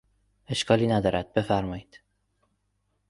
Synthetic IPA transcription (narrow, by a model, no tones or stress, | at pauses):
e̞ʃkʰɒːliːnæd̪ɒːɾæd̪̥̚be̞fæɾmɒːjiːd̪̥